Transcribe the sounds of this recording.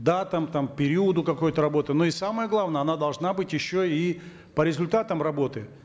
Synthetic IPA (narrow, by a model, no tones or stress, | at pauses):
d̪at̪əmt̪ampʲɪɾʲiəd̪ʊkɐko̞jʊt̪əɾɐbo̞t̪ɨnoisaməjəɡlˠavnəjəɐnad̪ɐlˠʐnabɨtʲjɪɕːoi | pəɾʲɪzʊlʲt̪at̪əmrɐbo̞t̪ɨ